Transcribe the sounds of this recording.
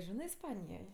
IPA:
ˈʒʲɪnɜ ɪsˈpɑːnʲɪjoːj

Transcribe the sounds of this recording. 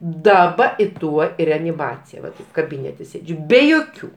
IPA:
dɐˈbɐ ɪ ˈtuɔ ɪ rʲɛɐnʲɪˈmɑːt͡sʲɪjɛ ʋɐ ˈtɐɪp kɐˈbʲɪnʲɛtʲɛ ˈsʲeːd͡ʒʲʊ ˈbʲɛ joːˈkʲuː

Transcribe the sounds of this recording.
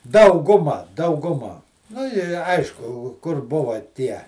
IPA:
ˈdɐʊˌɡʊmɐ dɐʊɡʊˈmɐ nʊ ɪ ˈɐɪʃkʊ kʊr ˈbʊʋɐ ˈtʲiɛ

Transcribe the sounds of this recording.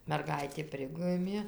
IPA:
mʲɛrˈɡɐɪtʲeː ˈpʲrʲɪɡɨmʲeː

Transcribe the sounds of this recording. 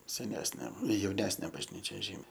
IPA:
sʲɛˈnʲæːsʲnʲeː jɛʊˈnʲæːsʲnʲeː bɐʒʲˈnʲiːt͡ʃʲɛ ˈʒʲiːmʲɛɪ

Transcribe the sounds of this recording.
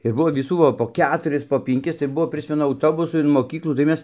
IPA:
ɪr ˈbʊʋoː ʋʲɪˈsuː ʋɐ poː ˈkʲæːtʊrʲɪs poː pʲɪŋʲˈkʲɪs tɐɪ ˈbʊʋoː pʲrʲɪˈsʲmʲæːnʊ ɐʊˈtoːbʊsʊ ɪn moːˈkʲiːklˠuː tɐɪ ˈmʲɛs

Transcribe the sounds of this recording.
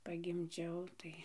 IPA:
pɐɡʲɪmʲˈd͡ʒʲɛʊ ˈtɐɪ

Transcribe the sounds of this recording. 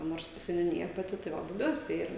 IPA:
ˈnoːrs sʲɛnʲʊˈnʲɪjɛ pɐˈtʲɪ tɐɪ ˈʋɐ bʊˈbʲuɔsʲɛ ˈiːrɐ

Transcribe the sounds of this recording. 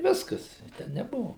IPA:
ɪ ˈʋʲɪskɐs tʲɛn nʲɛˈbʊʋʊ

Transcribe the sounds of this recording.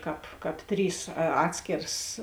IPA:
ˈkɑːp kɐp ˈtʲrʲiːs ɐ ˈɑːtʲsʲkʲeːrɐs

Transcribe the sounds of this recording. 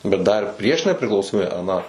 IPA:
bʲɛt dɐr ˈpʲrʲiɛʃ nʲɛpʲrʲɪklˠɐʊsoːˈmʲiːbʲɛ ɐˈnɑː

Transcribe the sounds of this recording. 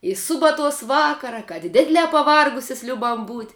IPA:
ɪ ˈsʊbɐˌtuɔs ˈʋɑːkɐrɐ kɐt ˈdʲɪdʲlʲæː pɐˈʋɐrɡʊsʲɛs ˈlʲʊbɐm buːtʲ

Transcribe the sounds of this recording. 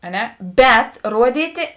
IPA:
ɐ ˈnʲɛ ˈbʲɛt ˈruɔˌdʲiːtʲeː

